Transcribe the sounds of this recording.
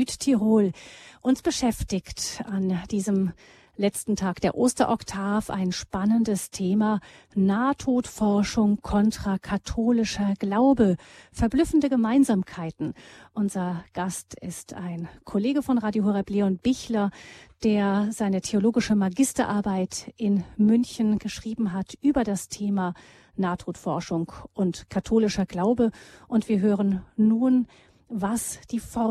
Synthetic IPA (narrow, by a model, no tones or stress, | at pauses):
yːttʰiʁoːlʔʊnsb̥əʃɛftɪçtand̥iːzəm | lɛt͡stn̩tʰaːkd̥eːɐʔoːstɐ̰ʔɔktʰaːfa̰ɪnʃpanəndəstʰeːmaː | naːtʰoːtfɔɐʃʊŋkʰɔntʁ̥akʰatʰoːlɪʃɐɡ̥laʊbəfɛɐblʏfn̩dəɡəmaɪnzaːmkʰaɪtn̩ʔʊnzɐɡ̥astɪstaɪnkʰoleːɡəfɔnʁaːdjoɦoʁɛpleɔnb̥ɪçlɐd̥eːɐzaɪnətʰeoloːɡɪʃəmaɡɪstɐʔaɐbaɪtʔɪnmʏnçən̩ɡ̥əʃʁ̥iːbm̩ɦatʔyːbɐdastʰeːma | naːtʁ̥utfɔɐʃʊŋkʔʊntkʰatʰoːlɪʃɐɡ̥laʊbəʔʊntv̥iːɐɦøːʁənːuːn | vasd̥iːfɔ